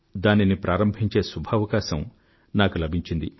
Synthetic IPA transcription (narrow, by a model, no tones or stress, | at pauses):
d̪aːninipɾʔaːɾɐmbʱiɲt͡ʃe̞ːsubʱaːʋɐkaːʃɐm | naːkulɐbʱiɲt͡ʃind̪i